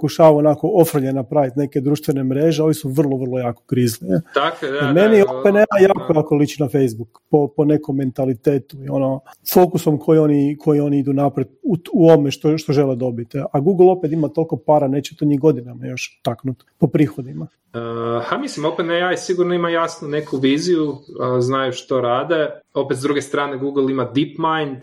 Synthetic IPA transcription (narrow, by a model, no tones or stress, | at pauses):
pokuʃaːʋaonako̞ofr̩mʎenapɾaʋit̪ne̞ke̞d̪ɾuːʃt̪ʋenemɾeʒeo̞ʋisuʋr̩lˠo̞ʋər̩lˠojaːko̥kɾizlit̪akoedame̞niopeneajaːkojaːkolˠit͡ʃinafejzbukpopone̞ko̞mːe̞nt̪alit̪eːt̪uio̞no̞fo̞kuso̞mkʰo̞jio̞nikʰo̞jio̞niid̪unapɾet̪uuomeʃt̪oʃt̪oʒe̞led̪o̞bit̪aɡuɡlˠo̞pet̪imat̪o̞lˠko̞paːɾane̞t͡ɕet̪oɲiɡo̞d̪inamajo̞ʃt̪aknut̪po̞pɾiːxo̞d̪ima | əhamislimopenejajsiɡuɾnoimajasnunekuʋiːzijuznajuʃt̪oɾaːd̪eo̞pet̪zɾuɡest̪ɾaːneɡuɡl̩ˠimad̪ipmajnd̪